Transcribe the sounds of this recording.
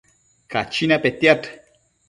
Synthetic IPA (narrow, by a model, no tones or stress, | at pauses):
kat͡ʃinapet̪jat̪